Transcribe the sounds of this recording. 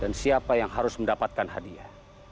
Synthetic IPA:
dansiapajaŋɦaɾʊsməndapat̪̚kanɦadia

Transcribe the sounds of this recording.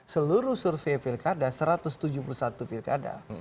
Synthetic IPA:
səluɾusurfepilkadasəɾat̪ʊst̪ud͡ʒupulusat̪upilkada̰

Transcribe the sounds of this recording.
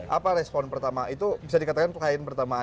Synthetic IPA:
ʔapaɾɛspɔnpərt̪amaʔit̪ubis̬adikat̪akanlaɪnpərt̪ama

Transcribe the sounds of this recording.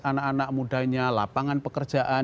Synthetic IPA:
anakanaʔ̚mudaɲala̰paŋanpəkərd̥d͡ʒ̥aʔa

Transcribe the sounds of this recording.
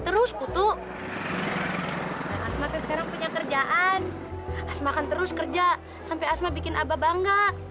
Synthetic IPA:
t̪əɾʊskut̪ʊ | aasmakansəkaɾaŋpuɲakərd͡ʒaʔan | asmakant̪əɾʊskərd͡ʒa | sampajasmabikɪna̰babaŋɡaʔ

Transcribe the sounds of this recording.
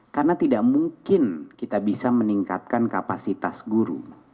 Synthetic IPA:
karnat̪idaʔmuŋkɪnkit̪abisaməniŋka̰t̪̚kankapasit̪asɡuɾṵ

